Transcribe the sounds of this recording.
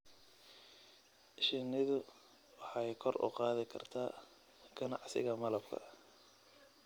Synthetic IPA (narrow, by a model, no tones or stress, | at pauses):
ʔɪʃɪnɪðʊ | wɑħɑjkʰɔrʊ̰qɑːðɪkʰɐ̰rt̪ʰaː | ɡ̥ɐnɑʕsɪ̰ɣɐmɐlɐbkʰɐ̰